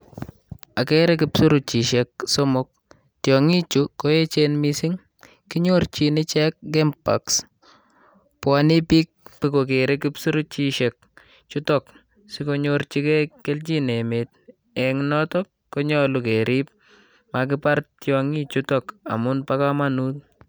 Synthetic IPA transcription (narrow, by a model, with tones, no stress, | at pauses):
a˨ke˦ɾe˦kɪ˦psu˦ɾu˨t͡ʃi˨ʃek̚so˦mʊ˦k̚ | tjɔ˨ŋi˦t͡ʃu˨ko˦e˦t͡ʃe˦nmisi˦ŋ | ki˦ɲo˦rt͡ʃi˨nɪ˦t͡ʃɛ˦k̚ɡɛ˦mpa̰˨ks | pwa˨ni˦pi˦k̚pi˦ko˨k̬e˨ɾe˦kɪ˦psu˦ɾu˦t͡ʃiʃe˨k̚ | t͡ʃu˦tɔ˨k | si˦ko˦ɲoɾt͡ʃi˦kɛ˦ke˦lt͡ʃi˦ne˨met̚ | ɛ˨ŋnɔ˦tɔ˦kːo˦ɲɔ˦luke˨ɾʔi˦p̚ | ma˨k̬ɪpa˦ɾtjɔŋi˦t͡ʃu˦tɔ˦ka̰˨mʊ˦npa˦ka˦manu˦t